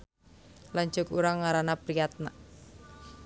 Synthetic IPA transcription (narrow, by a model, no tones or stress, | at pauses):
laɲt͡ʃʊkuɾaŋːaɾanapɾijat̪̚na̰